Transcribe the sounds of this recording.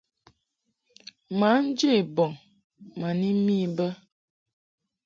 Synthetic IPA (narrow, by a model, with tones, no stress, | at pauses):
ma˨˦n̩˦d͡ʒe˦˨bɔ˨ŋ | ma˨ni˦mi˦˨˦bə˦